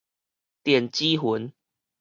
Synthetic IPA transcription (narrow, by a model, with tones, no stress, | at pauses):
t̪jɛ˨˩nt͡ɕi˦ɦu˨˦n